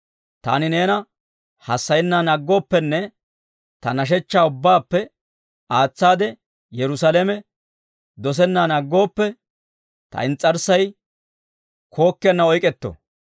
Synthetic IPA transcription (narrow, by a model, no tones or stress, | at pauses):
t̪a̰ːnɪne̞ːnɐ | hɐsːɐjɛnːaːnɐɡːo̞ːpːɛnːɛ | t̪ɐnɐʃ̬ɛt͡ʃːaːʊbːaːpːɛ | aːt͡sːaːd̪ɛ | jɛɾʊsalemɛ | d̪ɔs̬ɛnːanɐɡːo̞ːpːɛ | t̪ɐ̰ɪnt͡sʼːɐɾsɐj | kʰo̞ːkːɪɛɐnːɐɔjkʼɛt̪ːo̰